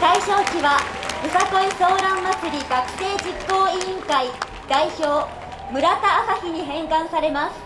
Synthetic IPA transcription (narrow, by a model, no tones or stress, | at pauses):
saiɕo̞ːkʲiβaɯ̟sak̪o̞iso̞ːɾãmːat͡sɨɾʲiɡakɯ̟̥se̞ːd͡ʑikːo̞ːĩŋkai | d̪̥aiço̞ː | mɯ̟ɾat̪aːsaçiɲ̟iɦẽ̞ŋkãɰ̃saɾe̞masɨ̥